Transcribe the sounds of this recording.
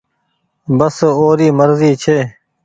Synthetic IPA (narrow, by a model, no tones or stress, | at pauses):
bəsoːɾiːməɾziːt͡ʃʰeː